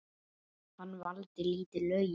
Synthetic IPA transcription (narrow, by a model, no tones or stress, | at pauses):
hanːvalt̪ɪliːt̪ɪlœːj